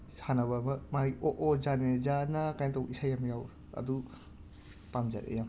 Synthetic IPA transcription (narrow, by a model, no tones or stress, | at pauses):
sanaβamɐmaɾiʔoʔɔzanezanakajntawisajamjaw | ɐ̰du | pamza̰ɾḛjam